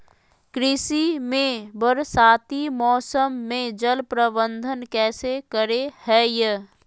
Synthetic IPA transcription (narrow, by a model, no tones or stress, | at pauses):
kɾɪsimẽbəɾsaːt̪imɔːsəmːẽd͡ʒəlpɾəbənd̪ʱənkɛːsekəɾehɛːj